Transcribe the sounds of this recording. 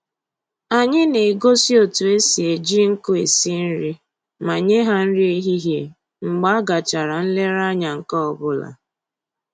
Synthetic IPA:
a˨ɲɪ˦ne˨ɡo˦si˦o˨tu˨e˦si˨e˨d͡ʒi˦ŋ̩˦kʊ˦e˨si˦n̩˦ɾi˦ | ma˨ɲe˦ɦa˦n̩˦ɾi˦i˦ɦi˦ɦje˦ | ŋ͡m̩˨ɡ͡ba˦a˦ɡa˨t͡ʃa˨ɾa˨n̩˦le˦ɾa˦ɲa˨ŋ̩˨kɔ˦ɔ˨bʊ˦la̰˨

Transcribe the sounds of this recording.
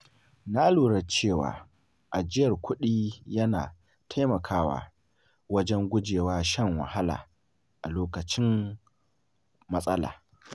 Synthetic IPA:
na˦luː˨ɽɐ˦t͡ʃeː˦˨wa̰ː˨ | ʔa˨d͡ʒɪ˦jɐ˨rkʷʰʊ˦ɗiː˦jɐ˦na̰ː˨ | tʰa˦jmɐ˨kʰaː˦wa̰ː˨ | wɐ˦d͡ʒɛ˦ŋɡʷʊ˦d͡ʒeː˨waː˦ʃɐ˦˨ŋwɐ̰˨ha˦la̰ː˨ | ʔa˨loː˦kɐ˨t͡ʃɪ˦m | mɐ˦sʼɐ˦la̰ː˨

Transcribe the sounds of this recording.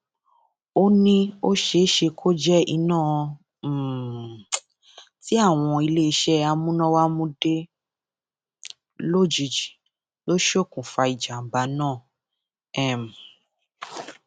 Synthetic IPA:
o˦nĩ˦o˦ʃe˦ʃe˧kʰo˦d͡ʒɛ˦i˧nãː˦˨˧ | ti˨˦a˦˨w̃ɔ̃˧i˧le˦i˧˦ʃɛ˦a˧mũ˦nɔ̃˦wa˦mũ˦de˦ | lo˦˨d͡ʒi˨˧˨d͡ʒi˨ | lo˦ʃo˦˨kũ˨fa˧i˨d͡ʒa˨m̩˨ba˧˦nãː˦˨ | ɛ˦˨m̩˨

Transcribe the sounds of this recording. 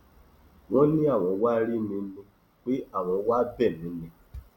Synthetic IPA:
w̃ɔ̃˦nĩ˦a˦˨w̃ɔ̃˧wa˦ɾi˦nĩ˧˦nĩ˧ | k͡pe˦ʔa˦˨w̃ɔ̃˧˦wa˦bɛ˦˨nĩ˨˦nĩ˧

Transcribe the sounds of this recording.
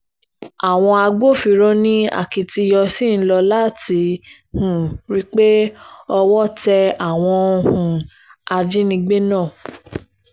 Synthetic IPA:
a˨w̃ɔ̃˧a˧ɡ͡bo˦˨fi˧˦ɾo˦nĩ˦a̰˦˨ki˨ti˧jɔ˧si˦˨n̩˦lɔ˧la˦ti˨˧˦ | hũ˨ɾi˦k͡pe˦ɔ˧wɔ˦tɛ˧a˨w̃ɔ̃˧o˧hũ˨ | a˧d͡ʒi˦nĩ˧ɡ͡be˦nãː˦˨

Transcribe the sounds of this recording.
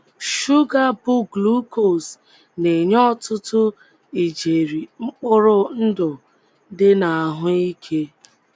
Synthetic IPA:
ʃu˦ɡa˦bʊ˦ɡlu˦ko˨s | ne˨ɲɔ˦tʊ˦tʊ˦ | i˨d͡ʒe˨ɾi˨ŋ͡m̩˦k͡pʊ˦ɾʊ˦n̩˦dʊ˨ | dɪ˦na˨a˨ɦʊ˦i˦kʰe˦

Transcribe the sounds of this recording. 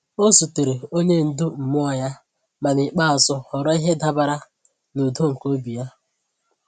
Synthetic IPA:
o˦su˨te˨ɾe˨o˦ɲe˦n̩˨dʊ˦m̩˨m˦ɔ˦ja˦ | ma˨nɪ˨k͡pa˦a˨zʊ˦hɔ˨ɾɔ˦i˦ɦe˦da˦ba˨ɾa˦ | no˨do˦ŋ̩˨ko˦bi˨ja˦

